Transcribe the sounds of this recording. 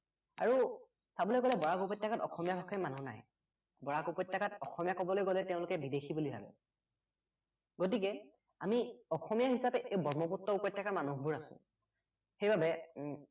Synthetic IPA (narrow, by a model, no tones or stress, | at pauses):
a̰ɹu | tabɔloejɡolɛbɔɹakupɔtjakatɔ̰xɔmijabɔkʰːɔjmanuna̰j | bɔɹakupɔtjakatɔxɔmijakɔbɔlojɡolɛteʊ̃lʊkɛbidexʰibulibʱa̰bɛ̰ | ɡot̬ikɛ | amiɔxɔmijaɦisapɛʔewbɔɹmɔputːɔupɔjtːakaɹmanubuɹasʊ̰̃ | xejbabɛ